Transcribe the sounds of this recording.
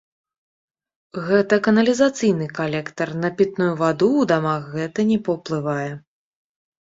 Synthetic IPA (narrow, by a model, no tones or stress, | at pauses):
ɣɛt̪ɐkɐnɐlʲizat̪sɨjnɨkalʲɛkt̪ɐrnɐpʲit̪̚nujuvad̪uːd̪amaxɣɛt̪ɐnʲɛpɐwplˠɨvajɛ